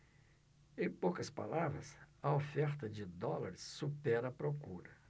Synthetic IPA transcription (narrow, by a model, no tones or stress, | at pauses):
ẽj̃powkɐspa̰lavɾɐ̰sɐofɛɾt̪ɐd͡ʒɪd̪ɔlɐɾɪsːupɛɾɐpɾokuɾɐ